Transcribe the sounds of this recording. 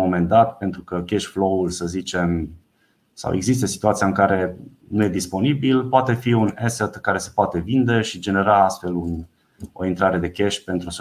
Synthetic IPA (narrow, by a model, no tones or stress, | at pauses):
mome̞nd̪at̪pe̞nt̪ɾukəkʲeʃflo̞ulsəzit͡ʃe̞m | sa̰wʔeɡzist̪əsi̥t̪uat̪sijaɨŋkaɾe̞ | nuje̞d̪ispo̞nibilpoat̪e̞fiuneset̪kaɾe̞se̞poat̪e̞vind̪e̞ʃid͡ʒe̞ne̞ɾaast̪fe̞lun | o̞̰int̪ɾaɾe̞d̪e̞kʲeʃpe̞nt̪ɾus